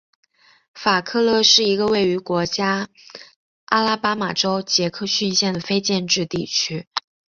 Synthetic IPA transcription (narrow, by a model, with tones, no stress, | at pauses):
fa˨˩kʰɤ˥˧lɤ˥˧ʂɻ̩˥˩i˧˥ɡə˧we˥˩ɪy˧˥kwɔ˧˥t͡ɕja˥ | a˥la˥pa˥ma˨˩ʈ͡ʂo˥ʊt͡ɕjɛ˧˥kʰɤ˥˧ɕy˥˧nɕjɛ˥˩nd̪ə˩fe˥ɪt͡ɕjɛ˥˧nʈ͡ʂɻ̩˥˧t̪i˥˩t͡ɕʰy˥